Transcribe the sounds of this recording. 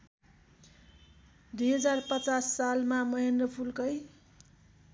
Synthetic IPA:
d̪ujɦʌd͡zarpʌt͡sasːalmamʌɦendrʌpʰulkʌj

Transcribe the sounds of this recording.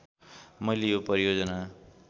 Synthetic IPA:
mʌjlejopʌɾijod͡zʌna

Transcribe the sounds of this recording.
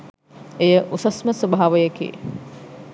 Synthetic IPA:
ejəʔusɐsməsobʱaaːʋəjəkḭḛ

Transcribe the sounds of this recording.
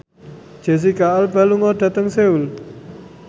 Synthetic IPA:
d̥d͡ʒ̥e̤s̬ikaːlbaluŋɔɖ̥a̤t̪əŋseul

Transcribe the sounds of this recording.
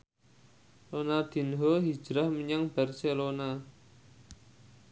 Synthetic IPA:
lonad̪̥i̤nɦɔɦi̥ʒ̥ɾahməɲaŋb̥arselona

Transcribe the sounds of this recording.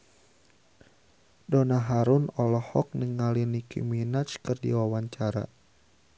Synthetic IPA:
dɔnaɦaɾʊnɔlɔhɔk̚nəŋalinikḭminat͡ʃkɨrdḭwawaɲt͡ʃaɾa̰

